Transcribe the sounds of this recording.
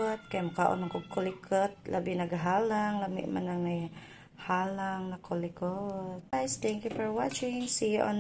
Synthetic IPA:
at̪̚kajmakaʔɔ̰naŋkokolikʰət̪̚lʔa̰binaɡaɦalaŋlamḭʔma̰naŋaj | halaŋnakʰolikot̪̚jst̪ɛŋkjufɔɹwat͡ʃɪŋsiɔ̰n

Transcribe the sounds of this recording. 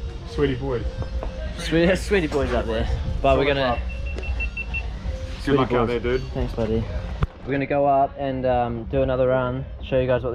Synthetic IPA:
swiɾibɔɪz̥swiswiɾibɔɪzʌp̚ðə˞b̥ʌt̚wɪɹɡʌnɨ | sʊlkʰãʊðədʉd̥̚θæ̃ŋksb̥ʌɾiwɨɹɡʌnɨɡoʊʌpɨ̃nʌ̃mdɨːnʌðəɹʌ̃n | ʃoʊjɨɡaɪzwʌt̪̚

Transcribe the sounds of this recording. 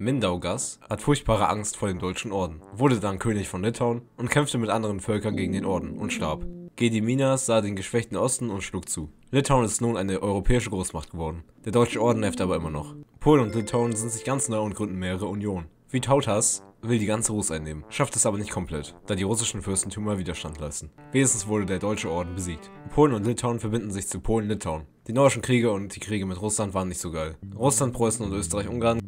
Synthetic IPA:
mɪndaʊɡashatfʊɐçt̚b̥aːʁ̞əʔaŋstfoːɐdeːmdɔʏt͡ʃn̩ʔɔɐdn̩vʊɐdədankʰøːnɪçfɔnlɪtʰaʊnʔʊntkʰɛmftəmɪtʔandəʁənfœlkɐnɡeːɡŋ̩deːnʔɔɐdn̩ʔʊ̰ntʃtaɐpɡ̥eːdimiːnasz̥aːdeːnɡəʃv̥ɛçtn̩ʔɔstn̩ʊntʃluːk̚t͡suːlɪtʰaʊnɪstnuːnʔaɪnəʔɔʏʁopʰɛːɪʃəɡʁoːsmaχtɡ̥əvɔɐdn̩d̥eːɐdɔʏt͡ʃəʔɔɐdn̩nɛɐftʔaːbɐʔɪ̰mɐnɔ̰χpʰoːlnʊntlɪtʰaʊnzɪntz̥ɪçɡ̥ant͡snaɪʊntɡ̥ʁʏndn̩meːʁəʁ̞əunjoːn | v̥iːtʰaʊtʰasvɪldiːɡant͡səʁusʔaɪnːeːmənʃaftɛsʔaːbɐnɪçt̚kʰɔmpʰl̥ɛtd̥aːdiːʁʊsɪʃn̩fʏɐstn̩tʰyːmɐviːdɐʃtantʰla̰ɪstn̩ | veːnɪstn̩sv̥ʊɐɾədeːɐdɔʏt͡ʃəʔɔɐdn̩bəziːk̚t | pʰoːlənʊntlɪtʰaʊnfɛɐbɪndn̩zɪçt͡supʰoːlənlɪtʰaʊnd̥iːnɔːɪʃn̩kʁ̥iːɡəʊnt̚d̥iːkʁ̥iːɡəmɪtʁʊslantvaːʁənːɪçtz̥oːɡaɪlʁʊslant̚b̥ʁ̥ɔʏsn̩ʊntʔøːstəʁaɪçʔʊŋɡaːɐn

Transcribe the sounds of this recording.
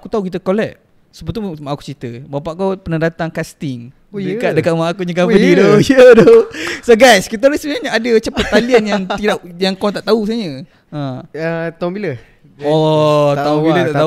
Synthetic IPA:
akut̪auk̬it̪əkolɛʔ̚ | səbət̪umaʔaku̥t͡ʃit̪əbapaʔkopənadat̪aŋkast̪iŋ | dəkat̪dəkat̪maʔakuɲəɡabənidojədɔsoɡajskit̪̬əlesənaɲəadət͡ʃəpat̪ːalianjaŋt̪idaʔjaŋkɔt̪aʔt̪aus̬aɲə | ʔə̃ət̪aũmbilə | ɔailət̪aʔt̪a

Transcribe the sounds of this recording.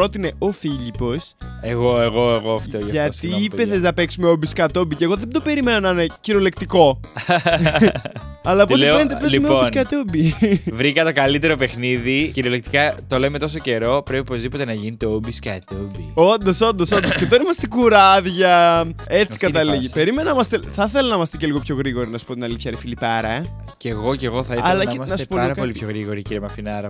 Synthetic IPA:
ɾo̞t̪ine̞ofiʎipo̞seɣoeɣo̞eɣoɐftʝoʝɐʝɐst̪iipeθeznɐpe̞ksumeobiskɐt̪obiceɣo̞ðed̪o̞pe̞ɾime̞nonɐneciɾolekt̪iko̞ | ɐlɐptoenet̪epiumeoiskɐt̪obivɾikɐt̪okɐlit̪e̞ɾo̞pe̞xniðiciɾolek̚t̪ikɐt̪o̞leme̞t̪o̞s̬o̞ce̞ɾo̞pɾepiopozðipo̞t̪enɐʝinit̪eobiskɐt̪eobiond̪osond̪osond̪osket̪oɾimɐst̪ekuɾɐðʝɐet͡si̥kɐt̪ɐliʝipe̞ɾimenɐmɐst̪eθɐθelɐnɐimɐst̪eceliɣo̞pço̞ɣɾiɣo̞ɾinɐsu̥po̞t̪inɐliθçɐɾefilipɐɾɐ | ce̞ɣo̞ceɣoθɐiɐlɐenɐsu̥poloɾɐkɐoliçoɣɾiɣoɾiciɾjemɐfinɐɾɐ

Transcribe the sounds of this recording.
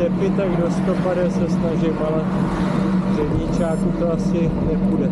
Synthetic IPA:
ɛpɪt̪aɡdost̪opadɛsɛsnaʒɪmalat̪i | rɛvɲit͡ʃaːk̪ut̪oasɪ | nɛpudɛ

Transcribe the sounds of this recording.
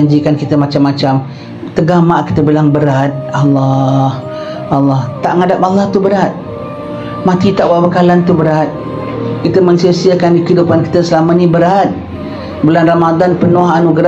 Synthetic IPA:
aɲd͡ʒikankit̪əmat͡ʃamːat͡ʃam | t̪əɡamaʔki̥t̪əbilaŋbəɾat̪̚alːah | alːaht̪aʔŋadap̚alːaht̪ubəɾat̪̚ | mat̪it̪aʔwaʔbəkalant̪ubəɾat̪̚ | kit̪əmənsəsiəkanɡikidupanki̥t̪əsəlamənibəɾat̪̚ | bəlanramad̪anpənoɦanuɡɾa

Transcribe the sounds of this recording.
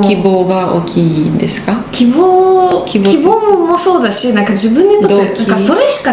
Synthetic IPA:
kʲiboːɡao̰ːkʲʰiːd̪e̞sɨ̥kakʲiboːkʲikibo̞ːmmo̞so̞ːd̪aɕinãŋkaʑibɯ̟̃ɲ̟ːit̪ot̪eãkaso̞ɾe̞ɕi̥ka

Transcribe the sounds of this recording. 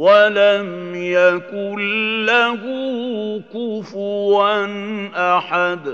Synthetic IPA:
walamjakʊnːahukʊfʊɾanʔaħad̪

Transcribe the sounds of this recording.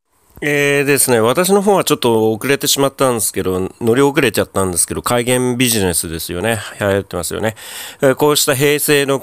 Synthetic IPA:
eːd̪e̞sɨne̞β̞at̪aɕ̬ino̞ɦõɰ̃β̞at͡ɕo̞t̪ːo̞ːkɯ̟ɾe̞t̪e̞ɕimat̪ːãnd̪e̞sɨ̥ke̞d̪o̞no̞ɾʲiok̬ɯ̟ɾe̞t͡ɕat̪ːãnd̪e̞sɨ̥ke̞d̪o̞kaiɡẽ̞mbʲiʑine̞sɨd̪e̞sɨjo̞̰ne̞hahaet̪ːe̞masɨjo̰ne̞ko̞ːɕi̥t̪aɦe̞ːse̞ːno̞

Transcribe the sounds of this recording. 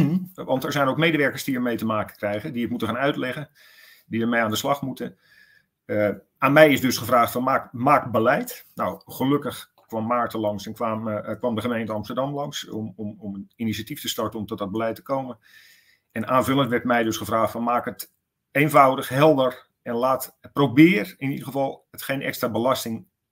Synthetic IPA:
ʋɑntɛɹzɛjnowkmejdəʋɛɹkəɹzdiəɹmejtəmaːkəkrɛjɣədiətmutəχaːnœɥtlɛɣən | diəɹmejaːndəslɑχmutən | ə | aːnmɛjɪzdɵsχəvraːχtfɑnmaːkmaːkbəlɛjtnowχəlɵkəχ | kʋɑmːaːɹtəlɑŋsɛnkʋaːmkʋɑmdəχəmejntəɑmstəɹdɑmlɑŋsmɔmɔməinisatiftəstɔɹtənɔmtɔt̚dɔd̚bəlɛjtə̥koːmən | ɛnaːnvʏlˠəntʋɛrtmɛjdøsχəvraːxtfɔnmaːkət | ejnvawdəxɦɛlˠdər | ɛnlaːtprobɪːrɪnidəɣəvɑlˠətxejnɛ̰kstrabəlɑstɪŋ

